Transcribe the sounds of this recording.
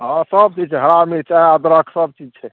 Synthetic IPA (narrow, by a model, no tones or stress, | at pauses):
ɦãsəb̚t͡ʃid͡ʒt͡ʃʰɛɦəɾamit͡ʃaɦɛad̪ɾəkʰsəb̚t͡ʃid͡ʒt͡ʃʰɛ